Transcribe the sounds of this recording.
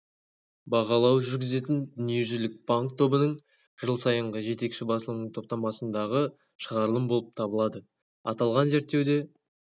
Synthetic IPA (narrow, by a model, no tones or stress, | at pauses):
bɑʁɑlˠɑwʒʏɾɡʲɪze̞t̪ɪnd̪ʏnije̞ʒʏlɪk̚baŋkt̪ʰo̞bənəɴ | ʒ̥əlˠsɑjəɴʁəʒe̞t̪e̞kʃɪbɑsəlˠənəɴt̪ʰo̞p̚t̪ɑmɑsənd̪ɑʁə | ʃəʁɑɾlˠəmbo̞lˠəp̚t̪ʰɑbəlˠɑd̪ə | ɑt̪ɑlˠʁɑnze̞ɾt̪ːe̞wd̪e̞